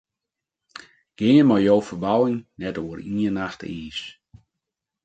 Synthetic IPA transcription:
ɡ̥ɪəmɔjjoːfərbawɪŋnɛtoəriənaxtiːs

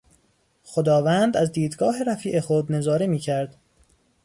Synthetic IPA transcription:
xod̪ɒːvænd̪æzd̪iːd̪ɡɒːɦe̞ɾæfiːʔexod̪ne̞zɒːɾemiːcʰæɾd̪̥

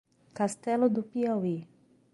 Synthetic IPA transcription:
kast̪ɛlod̪opiawi

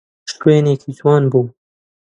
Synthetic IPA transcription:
ʃt̪weːneːkʰiːt̪ʰwɑːnbuː

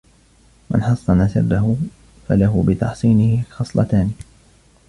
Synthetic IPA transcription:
mɪ̰nħɑsˤːɑnasɪ̰rːaɦʊ | falaɦʊbɪt̪ɑħsˤiːnɪhɪxɑsˤlɑ̰t̪aːnɪ

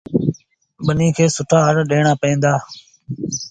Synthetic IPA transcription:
ɓəniːkʰeːsʊʈʰaːɦəɾɗeːɳ̃aːpəẽːnd̪aː

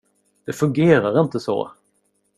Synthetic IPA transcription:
d̪̥ɛfɵŋɡeːɾaɾɪnt̪əsɔ̰ː

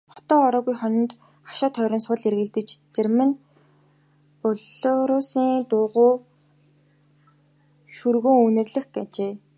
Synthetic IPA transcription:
χɔ̥t̪ɔːɔɾɔːɣujχɔnɞ̆nt̪ | χḁʃaːt̪ʰœːɾʲɪ̆nsʊɮerɣɘ̆ɮt̪ɘ̆t͡ɕt͡sermɘ̆n | pɔɮoːɾʊːsiːŋt̪ʊːʁʊː | ʃurɣoːŋunɘ̆rɮɘ̆xɡet͡ɕeː

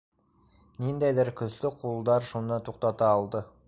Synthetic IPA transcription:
nend̪æjd̪əɾkʲʰʏslɪqʰulˠd̪ɑɾʃunːɑt̪ʰoq̚t̪ɑt̪ɑːlˠd̪ə

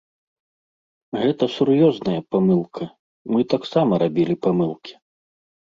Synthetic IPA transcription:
ɣɛt̪ɐsurjɔznɐjɐpamɨlˠkʰɐ | mɨt̪aksamɐɾabʲilʲipamɨlˠkʲi̥

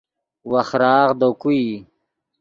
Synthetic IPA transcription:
waχɾaːʁd̪okui

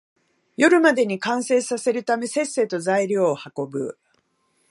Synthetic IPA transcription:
jo̞ɾɯ̟mad̪e̞ɲ̟ikãɰ̃se̞ːsase̞ɾɯ̟t̪ame̞sẽ̞se̞ːt̪o̞zaiɾʲjoːhako̞bɯ̟̰

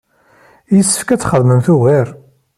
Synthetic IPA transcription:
jəsːə̥fkæt͡sːχəðməmθuɣæɾ

